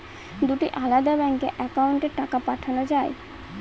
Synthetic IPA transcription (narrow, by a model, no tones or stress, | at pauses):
d̪uʈiʔalad̪abɛŋkeʔɛkauɳʈeɾʈakapaʈʰanod͡ʑae